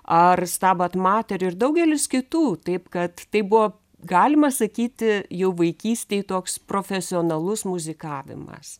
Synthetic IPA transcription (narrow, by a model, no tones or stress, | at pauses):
ɐrst̪ɑːbɐt̪mɑːt̪ʲɛɾʲʊɪrd̪ɐʊɡʲɛlʲɪskʲɪt̪uːt̪ɐɪpkɐt̪t̪ɐɪpbʊʋoː | ɡɑːlʲɪmɐsɐkʲiːt̪ʲɪjɛʊʋɐɪkʲiːsʲt̪ʲeːɪt̪oːkspɾoːfʲɛsʲɪoːnɐlˠʊsmʊzʲɪkɑːʋʲɪ̰mɐ̰s